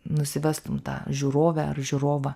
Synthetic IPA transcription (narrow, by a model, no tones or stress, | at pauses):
nʊsʲɪʋʲæst̪ʊmt̪ɑ̰ːʒʲuːɾoːʋʲɛɐrʒʲuːɾoːʋɑː